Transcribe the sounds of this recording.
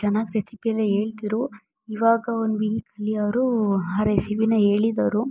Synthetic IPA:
t͡ʃɛnːaːɡiɾesipiɐlːeɦe̞ːɭt̪iɾu | iʋaːɡɐond̪ʋilikɐlːiɐʋɾuaɾesiʋinɐɦe̞ːɭid̪ɐʋɾu

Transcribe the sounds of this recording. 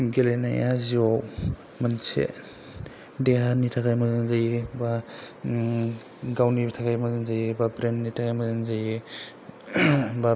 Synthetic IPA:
ɡelena̰jaziɔw | mansḛ | deɦanitʰakajmazɯnzajiba | ɡawnitʰakʰajmazanzajibapɾenːitʰakʰajmazanzaji | ba

